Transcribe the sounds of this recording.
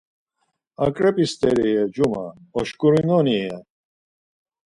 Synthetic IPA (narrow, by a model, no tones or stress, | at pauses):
akʼɾɛpʼist̪ɛɾiɛd͡ʒuma̰ɔʃkʼuɾinɔnijɛ